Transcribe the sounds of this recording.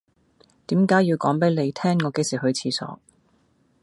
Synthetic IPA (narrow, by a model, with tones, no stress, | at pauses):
t̪iː˨˥mkaː˨˥jːiː˧wkɔː˨˥ŋpe˨˥jle˨˧jt̪ʰɛː˥ŋːɔː˨˧ke˧siː˨˩ɦɵ˧ɥt͡sʰiː˧sɔ̰ː˨˥